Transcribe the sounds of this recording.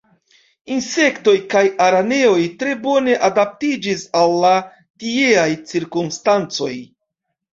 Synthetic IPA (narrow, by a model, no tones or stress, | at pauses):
inse̞kto̞jkajaɾane̞o̞jtɾe̞bo̞ne̞ʔadap̚tid͡ʒisalːa | tie̞ajt͡siɾkumstant͡so̞j